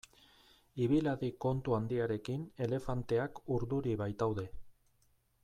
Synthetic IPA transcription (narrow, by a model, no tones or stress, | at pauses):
iβ̞ilaðiko̞nt̪uand̪iaɾe̞kine̞le̞fant̪e̞akuɾðuɾiβajt̪awðe̞